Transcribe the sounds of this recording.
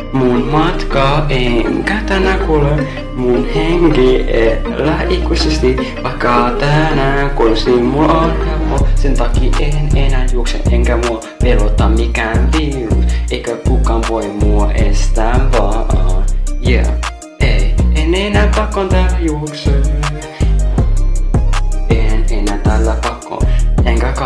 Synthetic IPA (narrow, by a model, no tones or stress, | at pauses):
munmɑt̪kɑeŋkat̪anakole | munheŋɡeʔelaʔikusest̪i | ʋɑjkːɑt̪anakolsimulɑnhamosent̪ɑkiːʔenenajuokselʔeŋkamuo | pelot̪ɑmikæːnpiṵsʔeikakukɑmpoimuoʔest̪æʋɑʔɑnjæ̰ | ʔejenenæːpɑkːont̪æjuokse | enenæːt̪ælːæpɑkːo̰eŋkæk